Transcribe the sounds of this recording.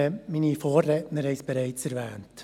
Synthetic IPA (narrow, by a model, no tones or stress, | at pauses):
ɛminifoːɾːɛtnəɾhɛɪsb̥eɾaɪt͡sɛɾʋɛːnt